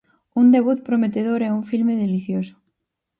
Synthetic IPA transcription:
und̪eβ̞ut̪̚pɾomet̪eðoɾɛuɱfilmeðeliθjoso̥

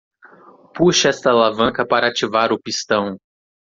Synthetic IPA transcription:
puʃɐɛst̪ɐlavɐ̃kɐpaɾɐat͡ʃivaɾʊpist̪ɐ̃w̃

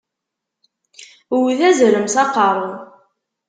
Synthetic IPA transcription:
wðæzɾəmsɑqɑɾˤəð

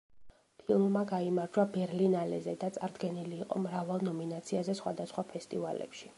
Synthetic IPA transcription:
pʰilˠmːaɡaimaɾd͡ʒwabɛɾlinalɛzɛd̪at̪sʼaɾd̪ɡɛniliːqʼɔ̰mɾavalˠnɔminat̪sʰiazɛsχwad̪asχwapʰɛst̪ʼivalɛ̰pʃi̥

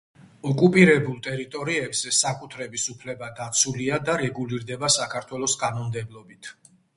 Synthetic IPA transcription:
ɔkʼupʼiɾɛbulˠt̪ʼɛɾit̪ʼɔɾiɛbz̥ɛsakʼut̪ʰɾɛbisupʰlɛbad̪at̪sʰuliad̪aɾɛɡuliɾd̪ɛbasakʰaɾt̪ʰwɛlˠɔsɡʼanɔmd̪ɛblˠɔbit̪ʰ

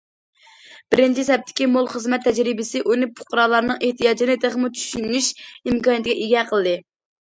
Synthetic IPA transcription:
b̥ɪɾɪnt͡ʃʰisɛp̚t̪ʰɪ̥kʲimolˠχəzmɛt̪ʰːɛd͡ʒɾɪbɪsɪʔunɪpʰʊ̥qːɾɑːlˠɑɾnɨŋeht̪ʰijɑːd͡ʒinɪd̪eχmut͡ʃʰy̥ʃynːyʃimkɑːnjɛt̪̚ɡʲɛʔiɡʲɛqʰəlˠɨd̪ɨ

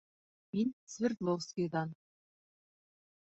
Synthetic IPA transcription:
minsvʲɪrt̪lˠowskʲid̪ɑn

